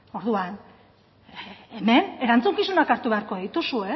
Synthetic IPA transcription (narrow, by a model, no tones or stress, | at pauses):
o̞ɾðuan | eme̞ne̞ɾant͡suŋkisunakaɾt̪uβe̞aɾkoðit̪usue̞